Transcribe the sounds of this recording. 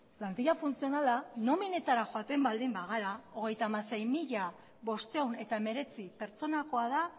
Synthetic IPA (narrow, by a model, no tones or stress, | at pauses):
plant̪iʎafunt͡sio̞nalano̞mine̞t̪aɾaxoat̪e̞mbald̪imbaɣ̞aɾao̞ɣ̞e̞jt̪aːmase̞jmiʎa | βo̞st̪e̞une̞t̪aeme̞ɾe̞t͡sipe̞ɾt͡so̞nako̞að̞a